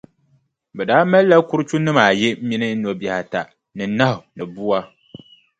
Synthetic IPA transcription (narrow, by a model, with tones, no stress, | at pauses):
bɛ˨daː˦mɛ˦lːa˦ku˦ɾɨ˦t͡ʃu˦nɨ˦maː˨jɛ˦mi˦nɨ˦n̩˦nɔ˨bɛ˨ha˨ta˨ | nɨ˨na˦hʊ˨nɨ˨bu˦wa˦